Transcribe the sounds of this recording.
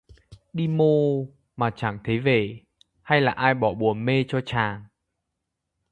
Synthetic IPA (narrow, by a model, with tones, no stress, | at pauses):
ɗi˧mo˧ | maː˨˩t͡ɕa˧˩ŋt̪ʰe˨˦ve˨˩ | ha˧jlaː˨˩ʔaː˧jɓɔ˧˩ɓu˨˩əme˧t͡ɕɔ˧t͡ɕaː˨˩ŋ